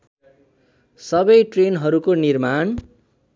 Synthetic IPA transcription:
sʌbʌjʈrenɦʌɾukonirman

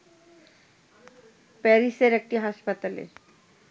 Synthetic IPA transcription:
pɛɾiseɾek̚ʈiɦaʃpat̪alḛ

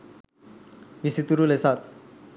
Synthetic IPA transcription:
ʋisit̪uɾulesat̪̚

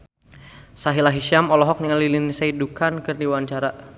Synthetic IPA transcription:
saɦilaɦiʃamɔlɔɦɔk̚niŋalilinisaidukankɨrniwaɲt͡ʃaɾa

